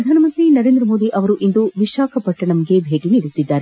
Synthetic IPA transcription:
ɾɐd̪ʱaːnɐmɐnt̪ɾinɐɾe̞ːnd̪ɾɐmoːd̪iʔɐʋɐɾuʔind̪uʋiʃaːkʰɐpɐʈːɐɳɐmɐɡe̞bʱeːʈiniɾut̪ːid̪ːaːɾe

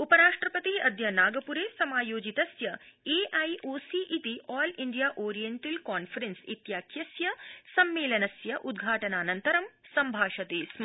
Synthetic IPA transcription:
upɐɾaːʂʈɾɐpɐt̪iɐd̪jɐnaːɡɐpuɾeːsɐmaːjoːd͡ʒit̪ɐsjɐeːʔajʔoːsiʔit̪iʔɔːliɳɖijaːʔoːɾijeɳʈɐlkaːnfɐɾensḭt̪jaːkʰjɐsjɐsɐmːeːlɐnɐsjɐʔud̪ɡʱaːʈɐnaːnɐnt̪ɐɾɐmsɐmbʱaːʃɐt̪iːsm

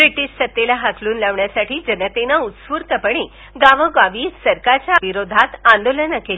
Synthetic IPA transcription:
bɾiʈiːɕsət̪ːelaɦakluːnlaʋɳjasaʈʰiːd͡ʑənət̪enaut̪sʋuːɾt̪əpəɳ̃e | ɡaʋəɡaʋiːsəɾkaɾt͡ɕjaʋiɾod̪ʱat̪ãnd̪olənəkel

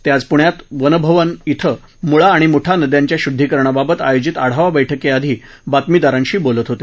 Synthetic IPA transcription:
t̪jad͡zpuɳjat̪ʋənəbʱəʋənit̪ʰə | muɭaːɽ̃imuʈʰanəd̪jaɲt͡ɕjaɕud̪ʱːikəɾɳ̃ababət̪ajod͡ʑit̪aɽ̤aʋabəjʈʰəkead̪ʱiː | bat̪mid̪aɾãɲɕiːbolət̪ɦot̪e

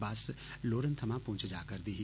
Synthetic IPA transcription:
baːs | loːɾənt̪ʰəmãpõːt͡ʃʰd͡ʒaːkəɾd̪iɦi

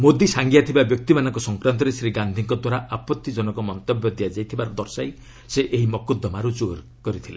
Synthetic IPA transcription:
mod̪isaŋɡijat̪ʰibabjɔk̚t̪imanɔ̃ŋkɔsɔŋkɾant̪̬ɔɾesɾiɡand̪ʱiŋkɔd̪waɾaʔapɔt̪ːid͡ʒɔnɔkɔmɔnt̪ɔbjɔd̪ijad͡ʒajt̪ʰibaɾɔd̪ɔɾsaj | seʔeɦimɔkud̪ɔmaɾud͡ʒoɾ | kɔɾit̪ʰile

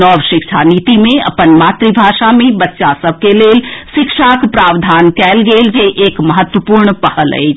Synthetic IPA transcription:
ɔːʋʃɪkʃʰaniːt̪imẽɐ̰pənmaːt̪ɾibʱaːʃamẽbətːʃasəb̚ʱkeleːlʃɪkʃakpɾaːʋd̪ʱaːnkɛːlɡeld͡ʒeʔeːkməɦət̪wəpuːɾɳpəhələ̰i

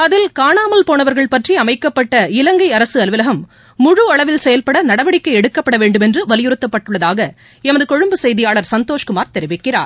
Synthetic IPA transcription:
ɐðɪlkaːɳaːmɐlpoːnɐʋɐɾɣɐɭpɐʈriɐmɐɪkːɐpːɐʈːɐɪlɐŋɡɐɪɐɾɐsɯɐlʋɪlɐɣɐmː | ʊɻuɐɭɐʋɪlsɛjɐlpɐɽɐnɐɽɐʋɐɽɪkːɐɪɛɽɯkːɐpːɐɽɐʋeːɳɖɯmɛndrɯʋɐlɪjɪɾɯt̪ːɐpːɐʈːɯɭːɐðaːɣɐ | ɛmɐðɯkɔɻɯmbɯsɛjðɪjaːɭɐɾsɐnt̪oːʂkɯmaːɾt̪ɛɾɪʋɪkːɪra̰ːɾ

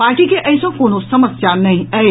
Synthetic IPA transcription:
paːɾʈikeʔɛːsõkoːnosɐməsjanɐɦĩɐe

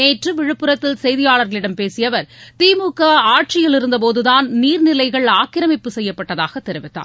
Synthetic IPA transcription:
eːʈrɯʋɪɻɯpːɯɾɐt̪ːɪlsɛjðɪjaːɭɐɾɣɐɭɪɽɐmpeːsɪjɐʋɐɾt̪iːmuːkːɐaːʈ̚t͡ʃɪjɪlɪɾɯnd̪ɐp̬oːðɯðaːnniːɾnɪlɐɪɣɐɭaːkɪɾɐmɪpːɯsɛjːɐpːɐʈːɐðaːɣɐt̪ːɛɾɪʋɪt̪ːa̰ː

